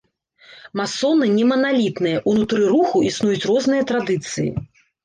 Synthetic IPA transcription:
masːɔnɨnʲɛmɐnalʲit̪nɨjɐʔunut̪ɾɨɾuxuʔisnujut͡sʲrɔznɨjɐt̪ɾad̪ɨt̪sɨjḭ

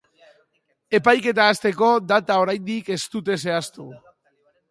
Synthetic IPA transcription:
e̞pajke̞t̪aːst̪e̞ko̞d̪at̪ao̞ɾajnd̪ike̞st̪ut̪e̞se̞ast̪u

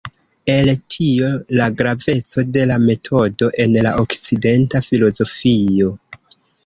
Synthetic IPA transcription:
e̞ltʰio̞laɡɾave̞t͡so̞de̞lame̞tʰo̞do̞ʔe̞nlaʔokt͡side̞ntafilo̞zo̞fio̞

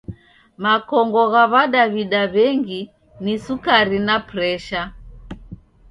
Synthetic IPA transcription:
makɔŋɡɔɣaβaɗaβiɗaβɛŋɡi | nisukaɾinapɾɛʃa

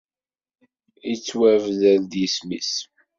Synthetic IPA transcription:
it͡sːwævðænd̪jəsmis

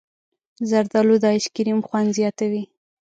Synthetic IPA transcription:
zaɾd̪ɑlod̪ɑɪʃkɪɾimxwand̪zjɑt̪awi

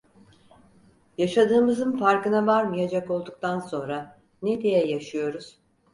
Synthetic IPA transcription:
jaʃad̪ɯːmɯzɯnfaɾkɯnavaɾmɯjad͡ʒako̞lˠd̪uk̚t̪ʰanso̞nɾa | ned̪ejɛjaʃɯjo̞ɾuz̥

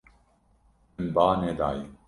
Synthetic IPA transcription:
nbaːned̪a̰ːji

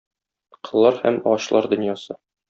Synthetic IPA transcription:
qɤ̆lˠːɑɾhæ̰mɒɕlˠɑɾd̪ɵ̆njɑsɤ

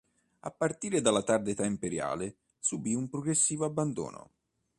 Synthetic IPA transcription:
a̰pːart̪iːɾed̪alat̪ard̪et̪aimpeɾja̰ːlɪ | subiumpɾoɡɾesːiːvoabːand̪o̰ːno̰

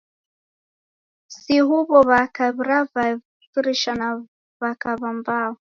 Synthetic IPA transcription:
siɦuβɔβakaβɾava | fiɾiʃana | βakaβambaːwɔ

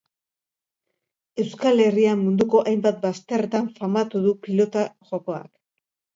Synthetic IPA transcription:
e̞wskale̞riamːund̪uko̞ʔajmbat̪̚bast̪e̞ret̪aɱfamat̪uðupilo̞t̪aʝo̞ko̞a̰k

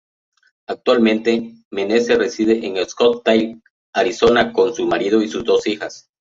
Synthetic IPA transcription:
ak̚t̪walmẽ̞nt̪e̞ | menesere̞siðeʔeŋelskot̪ːaj | aɾiso̞nako̞nsumaɾið̞oisuzd̪o̞sixas

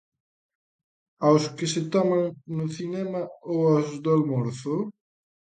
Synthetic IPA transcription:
awskɪsɪt̪ɔmaŋnʊθinɛmɐowazd̪ʊalmoɾθʊ

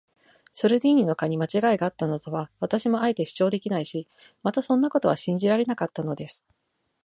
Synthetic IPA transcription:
soɾɯ̟d̪ʲiːɲ̟ino̞kaɲ̟imat͡ɕiɡaiɡaːt̪ːano̞t̪oβaβ̞at̪aɕimo̞aet̪e̞ɕi̥t͡ɕo̞ːd̪e̞kʲinaiɕi | mat̪asõ̞nːako̞t̪o̞βaɕĩɲ̟d͡ʑiɾaɾe̞nakat̪ːano̞d̪e̞sɨ̥

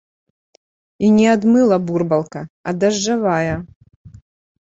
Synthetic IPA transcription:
inʲɛad̪mɨlˠɐburbɐlˠkɐɐ̰d̪ɐʐːavajɐ

